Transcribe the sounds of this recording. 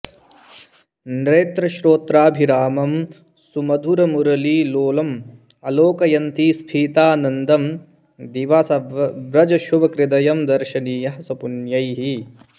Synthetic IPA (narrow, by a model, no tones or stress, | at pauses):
nɾeːt̪ɾɐʃɾoːt̪ɾaːbʱiɾaːmɐm | sumɐd̪ʱuɾɐmuɾɐliːloːlɐm | ɐloːkɐjɐnt̪ispʰiːt̪aːnɐnd̪ɐm | d̪iʋasɐʋɾɐd͡ʒɐʃuʋɐkɾɪd̪ɐjɐmd̪ɐɾʃɐniːjɐɦɐsɐpunjɐjɦi